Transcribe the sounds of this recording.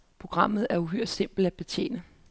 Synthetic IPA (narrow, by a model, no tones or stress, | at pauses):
pʰʁo̝ɡ̥ʁɑ̈m̰ð̩ˠæɐuɦøɐ̰d̥se̝m̰b̥l̩æ̥b̥e̝t͡ɕʰjḛːnə